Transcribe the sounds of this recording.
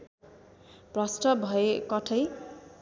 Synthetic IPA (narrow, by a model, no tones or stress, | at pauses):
prʌsʈʌbʱʌekʌʈʰʌj